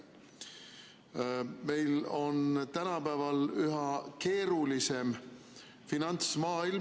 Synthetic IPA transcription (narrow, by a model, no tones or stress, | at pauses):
me̞jlo̞nt̪ænɑpæːvɑlyɦɑke̞ːɾulise̞m | finɑnt̪smɑːil